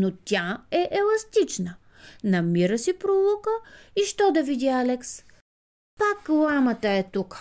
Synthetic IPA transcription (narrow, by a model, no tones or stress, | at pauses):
not̪ʲaɛʔɛlˠɐst̪it͡ʃnə | nɐmiɾəsipɾolˠukəiʃt̪ɔd̪ɐvid̪ialɛks | paklˠamət̪əɛt̪uk